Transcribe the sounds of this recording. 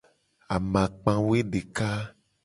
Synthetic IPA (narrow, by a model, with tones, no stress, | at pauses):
a˨mã˨k͡pã˦we˦ɖe˨ka˦